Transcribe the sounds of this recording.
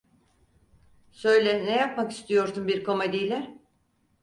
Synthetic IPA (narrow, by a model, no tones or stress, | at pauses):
sø̞jlʲɛnɛjap̚maki̥st̪ʰijo̞ɾsumbiɾko̞med̪ijlʲɛ